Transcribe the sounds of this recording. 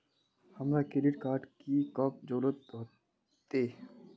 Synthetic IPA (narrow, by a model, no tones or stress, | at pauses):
hɐmɾakɪɖɪʈkaːɾʈkikɔːp̚d͡ʒoːlət̪̚ɦoː | t̪eː